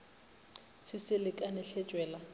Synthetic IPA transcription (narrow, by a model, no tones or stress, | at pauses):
sɪsɪlɪkʼanɛɬɛ̥t͡ʃʼwɛːla